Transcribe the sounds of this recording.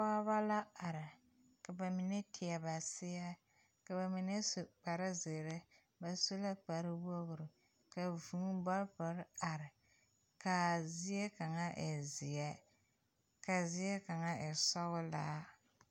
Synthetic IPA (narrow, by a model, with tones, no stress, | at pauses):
pa˦ba˦la˦a˨ɾɪ˨ | ka˨ba˨mi˨nɛ˦tʰɪ˨a˨ba˨sɪ˦ja˦ | ka˨ba˨mi˨nɛ˦sʊ˨k͡pa˨ɾa˦zɪ˨ɾɪ˦ | ba˨su˦la˦k͡pa˨ɾɪ˦wo˦ɣʊ˨ɾɨ˨ | ka˨vuː˦ba˦pa˨˦ɾa˨ɾɪ˨ | ka˨zɪ˦jɛ˦ka˨ŋa˦ʔɪ˨zɪ˨ja˦ | ka˨zɪ˦ɛ˦ka˨ŋa˦ɛ˨sɔ˦ɣʊ˦laː˦